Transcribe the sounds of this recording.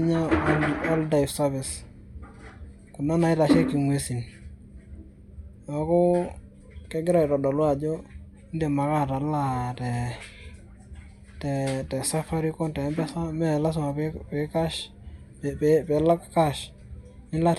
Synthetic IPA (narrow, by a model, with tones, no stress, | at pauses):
ɲa˦ɔ˦lda˨ɪfsa˦bɪ˨s | kʊ˨na˦na˨ɪ˦ta˨ʃɛ˦ki˨ŋwe˨si˨n | a˨kɔ˦ | kɛ˦ɡɪ˦ɾa˨ɪ˨ɾɔ˨dɔ˨lwa˨d͡ʒo˦ | ɪ˦nde˨ma˨ka˦ta˨la˦tɛ˨ | tɛ˨tɛ˨sa˦fa˦ɾi˦kɔ˦ntɛ˨˦mbɛ˦sa˦mɛ˦˨la˦s̬ma˨pɛ˨ka˦ʃ | pɛpɛ˨la˦kka˦ʃ | ɪ˦nla˦